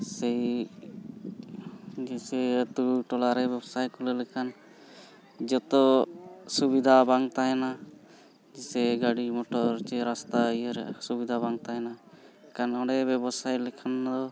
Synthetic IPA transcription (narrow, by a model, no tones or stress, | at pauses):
sɛj | d͡ʒɛsɛət̪uʈɔlaɾɛbɛbsajkɔlɛlɛkʰan | d͡ʒɔt̪ɔsubid̪ʱabaŋt̪aɦɛna | d͡ʒisɛɡaɽimɔʈɔɾt͡ʃɛɾast̪aijəɾsubid̪ʱabaŋt̪aɦɛnakanɔ̃ɖɛbɛbɔsajlɛkʰand̪ɔ